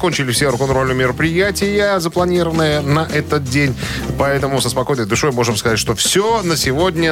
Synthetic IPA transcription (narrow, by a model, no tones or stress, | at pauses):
konʲt͡ɕɪlʲɪfsʲeɾʊkɐnɾolʲnʊmʲɪɾəpɾʲɪjætʲɪjəzəplˠɐnʲiɾəvənːəjənɐʔɛt̪ət̪̚dʲenʲpɐɛt̪əmʊsəspɐko̞jnəjd̪ʊʂojmo̞ʐɨmskɐzatʲʂt̪ofsʲonəsʲɪvo̞dʲnʲə